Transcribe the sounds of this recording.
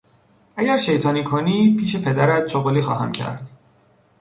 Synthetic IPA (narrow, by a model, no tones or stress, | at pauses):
æɟæɾʃe̞jt̪ʰɒːniːkʰoniːpʰiːʃepʰe̞d̪æɾæt̪ʃoɣoliːxɒːɦæmcʰæ̰ɾd̪̥